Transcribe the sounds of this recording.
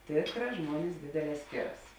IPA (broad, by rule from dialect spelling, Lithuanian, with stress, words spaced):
ˈtʲeːkˌrɑː ˈʒmuɔnʲɪs ˈdʲeːdʲeːˌlʲɛː ˈsʲkʲeːˌrɐs